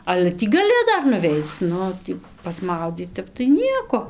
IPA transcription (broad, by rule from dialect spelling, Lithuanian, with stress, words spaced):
ˈɑːlʲɛ ˈtʲiː ɡɐˈlʲɪ ˈdɐr nʊˈʋʲɛɪt͡s ˈnʊ ˈtʲiː pɐsˈmɐʊdʲiːt ˈtʲɛp tɐɪ ˈnʲiɛkoː